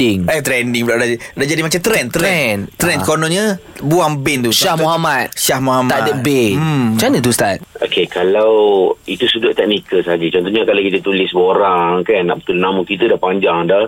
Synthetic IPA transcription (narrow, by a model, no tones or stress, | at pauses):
ɪŋɛht̪ɾɛndiŋblaʔdadad͡ʒadimat͡ʃamt̪ɾɛnt̪ɾɛnt̪ɾɛnkonɔɲəbuaŋbɛnt̪usʃahmuɦamat̪̚ʃahmoɦamaʔətbet͡ʃanət̪ust̪at̪̚o̰kekalawit̪usudʊʔt̪ɛk̚nikəlsaad͡ʒət͡ʃɔnt̪ɔhɲakalakit̪ət̪ulɪsbooɾaŋkanːa̰ʔbət̪ulnaməkit̪ədahpaɲd͡ʒaŋdah